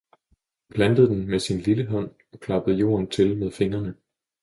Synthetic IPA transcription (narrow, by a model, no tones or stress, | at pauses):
pʰlænd̥əð̞̩ˠd̥enmesinliləɦɒ̽n̰ | ɒ̽kʰlɑ̈b̥əð̞̩ˠjo̝̰ːɐnt͡sʰe̝lmeð̞ˠfe̝ŋɐnə